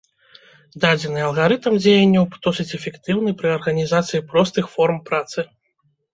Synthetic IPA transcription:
d̪ad͡zʲɛnɨɐlˠɣaɾɨt̪ɐmd͡zʲejɛnʲːɐwd̪̥ɔsɨt͡sʲɛfʲɛkt̪ɨwnɨpɾɨɐrɣɐnʲizat̪sɨjipɾɔst̪ɨxfɔrmpɾat̪sɨ

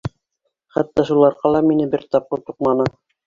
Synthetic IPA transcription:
χæ̰t̪ːɑʃulˠɑɾqɑlˠɑminɘbɘɾt̪ɑp̚qɤɾt̪uq̚mɑnɤ

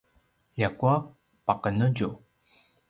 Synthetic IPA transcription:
jakua | paqənuɟu

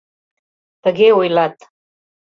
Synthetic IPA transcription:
d̪̥əɣeujlat̪

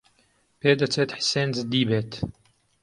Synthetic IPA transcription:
peːd̪ɐt͡sʰeːt̪ħseːnzd̪iːbeːt̪

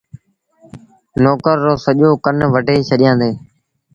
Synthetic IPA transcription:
noːkəɾːoːsəʄoːkənʋəɖʱeːt͡ʃʰəɗɪjãːnd̪eː

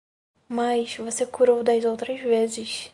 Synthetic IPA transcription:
mɐjsvosekuɾowd̪ɐzowt̪ɾɐzvezɪs

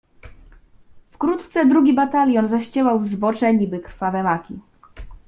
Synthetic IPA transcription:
fkɾut̪t̪sɛd̪ɾuɡʲibat̪alʲjɔnzaɕt͡ɕɛwawzbɔt͡ʂɛɲibɘkɾfavɛmakʲi

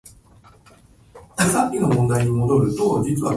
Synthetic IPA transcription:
asapʲːinomɔ̃nd̪aɪɲimod̪oɾɯt̪od͡ʑit͡sɨa

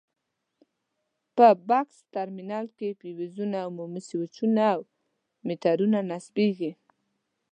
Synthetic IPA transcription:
pəbakst̪aɾminɑlkepiwizunawmumɪsiwʊt͡ʃunaw | met̪aɾunanasbeɡi

